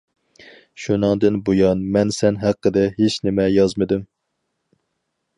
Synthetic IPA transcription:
ʃunɨŋd̪ɨnbojɑnmɛnsɛnɦæqʰːəd̪ɛɦet͡ʃnɪmɛjɑzmɨd̪ɪm

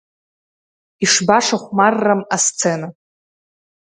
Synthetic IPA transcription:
iʂbaʂaχʷmarːamast͡sʰena

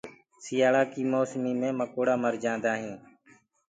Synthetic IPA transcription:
sɪjaːɭaːkiːmoːsmiːmẽːməkoːɽaːməɾd͡ʒãːnd̪aːɦĩː

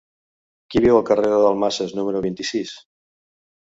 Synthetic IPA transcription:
kiβ̞iwəlˠkəreðoðəlˠmaseznuməɾoβ̞int̪isis

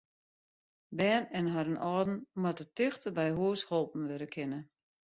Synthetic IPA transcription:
bɛːnɛnɦaɾənʔɔːdn̩matətɪxtəbɛjɦuəshɔlˠpn̩ʋɪɾəkʰɪnə

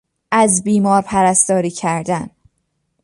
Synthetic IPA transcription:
ʔæzbiːmɒːɾpʰæɾæst̪ɒːɾiːcʰæɾd̪æn

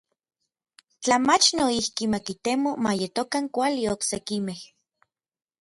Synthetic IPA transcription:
t͡ɬamat͡ʃnoihkimakit̪emomajet̪okaŋkʷalioksekimeh

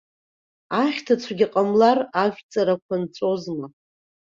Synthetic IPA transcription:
aχʲtʰat͡sʷʰaɡʲiqʼamlaraʒʲʷᶣt͡sʼaɾakʷʰant͡sʷʼo̞zmɨa

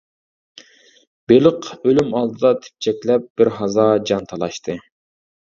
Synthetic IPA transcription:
b̥eləqølymɑlˠd̪ɨd̪ɑt̪ʰe̥p̚t͡ʃʰɛkʲlɛp̚b̥ɪɾɦɑzɑd͡ʒɑnt̪ʰɑlˠɑʃt̪ʰɨ

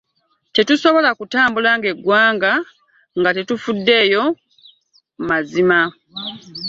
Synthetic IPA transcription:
te̞tuso̞βo̞lakutaːmbulaŋɡe̞ɡwaːŋɡa | ŋɡate̞tufudːe̞ːjo̞ | mazima

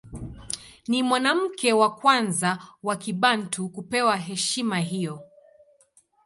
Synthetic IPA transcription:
nimwanam̩kɛwakwanzawakiɓantʰukupɛwaɦɛʃimaɦijɔ

